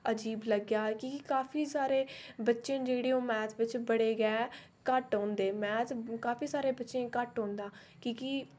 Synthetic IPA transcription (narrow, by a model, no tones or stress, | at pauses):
əd͡ʒiːbləɡjaːkiːkikaːpʰiːsaːɾeːbətːʃẽːd͡ʒeːɽeːõːmɛ̃ːt̪ʰʋɪt͡ʃbəɽeːɡɛː | kəʈɦõːnd̪eːmɛ̃ːt̪kaːpʰiːsaːɾeːbətːʃẽːkəʈɦõːnd̪aː | kiːki